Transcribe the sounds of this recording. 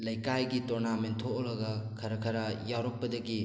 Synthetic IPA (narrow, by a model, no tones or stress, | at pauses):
lɐjkajɡitɔɾnamentʰoʔɔlɐɡɐkʰɐɾɐkʰɐɾɐjawɾɔk̚pːɐdɐɡi